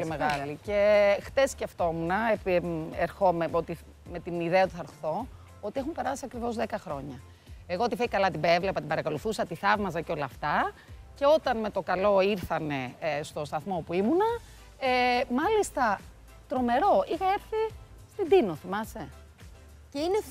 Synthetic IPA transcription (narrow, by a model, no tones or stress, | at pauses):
polimeɣɐlice̞xθesːce̞ft̪o̞munɐepeɾxo̞meot̪i | me̞t̪iniðeɐot̪uθɐɾθo̞ | o̞t̪iexumpe̞ɾɐsiɐkɾivo̞zðekɐxɾo̞ɲɐ | e̞ɣo̞ot̪ifeikɐlɐt̪ibevlepɐt̪ibɐɾɐko̞luθusɐt̪iθɐvmɐs̬ɐceo̞lɐːft̪ɐce̞o̞t̪ɐnme̞t̪o̞kɐlo̞iɾθɐne̞st̪o̞st̪ɐθmo̞puimunɐ | emɐlist̪ɐ | t̪ɾo̞me̞ɾo̞ixɐe̞ɾθi | st̪id̪inoθimɐse | ceine